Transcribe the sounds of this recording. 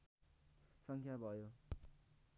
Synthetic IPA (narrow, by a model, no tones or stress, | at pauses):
sʌŋkʰjabʱʌjo